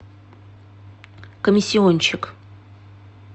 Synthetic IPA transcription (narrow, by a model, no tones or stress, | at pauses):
komʲisʲːionʲt͡ʃʰɪk